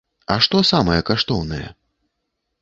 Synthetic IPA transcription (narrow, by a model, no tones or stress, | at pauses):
ɐʂt̪ɔsamɐjɛkaʂt̪ɔwnɐjɛ̰